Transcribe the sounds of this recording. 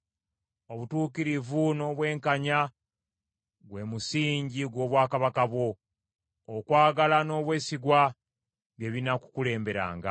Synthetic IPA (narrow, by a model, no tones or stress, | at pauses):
o̞βutuːkiɾivuno̞ːβwe̞ːŋkaɲa | ɡwe̞musiːɲɟiɡwo̞ːβwaːkaβakaβwo̞ː | kwaːɡalano̞ːβwe̞ːsiɡwa | βje̞βinaku̥kule̞ːmbe̞ɾa̰ːŋɡa